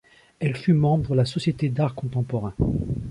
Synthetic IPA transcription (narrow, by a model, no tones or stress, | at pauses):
ɛlfymɑ̃bʁdəlasɔsjet̪ed̪aʁkɔ̃t̪ɑ̃pɔʁɛ̃